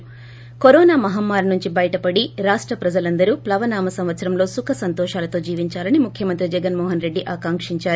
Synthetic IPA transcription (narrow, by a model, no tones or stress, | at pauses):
koɾɔːnaːmɐɦɐmːaːɾnuɲt͡ʃibɐjɐʈɐpɐɽiɾaːʂʈɾɐpɾɐd͡ʒɐlɐnd̪ɐɾuːplɐʋɐnaːmɐsɐmʋɐt̪sɐɾɐmlo̞ːsukʰɐsɐnt̪ɔːʃaːlɐt̪o̞ːd͡ʒiːʋiɲt͡ʃaːlɐnimukʰjɐmɐnt̪ɾid͡ʒɛɡɐnmɔːɦɐnɾe̞ɖːiʔaːkaːŋkʂiɲt͡ʃaːɾu